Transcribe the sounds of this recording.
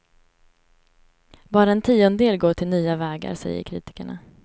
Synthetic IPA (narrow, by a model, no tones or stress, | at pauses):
bɑːɾaɛnt̪ʰiːɔnd̪eːlɡoːʈʰɪlnyːavɛːɡa̰ɾsɛ̰jːə̰ɾkʰɾḭːt̪ɪ̥kaɳa̰